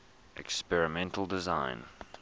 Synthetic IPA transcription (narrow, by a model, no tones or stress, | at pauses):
ʔɛ̰kspɛɹɨmɛ̃ntʰl̩ˠdɪzãɪ̃n